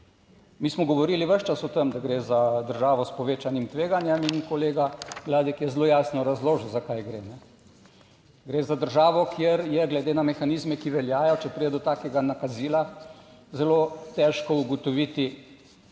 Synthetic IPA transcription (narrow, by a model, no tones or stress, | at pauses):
miːsmɔɡɔʋɔɾiliʋəʃt͡ʃasɔt̪əmd̪aɡɾeːzad̪əɾʒaːʋɔspɔʋeːt͡ʃanimt̪ʋeːɡanjɛminkɔleːɡaʋlaːd̪ikjɛzeloːjaːsnɔɾazloːʒzakajɡɾeːnɛ | ɡɾeːzad̪əɾʒaːʋɔkʰjeɾjɛɡlɛd̪eːnamɛxaniːzmɛkiʋɛljaːjɔt͡ʃɛpɾid̪ɛd̪ɔt̪aːkɛɡanakaziːlazɛlot̪ɛʃkɔuɡɔt̪ɔʋiːt̪i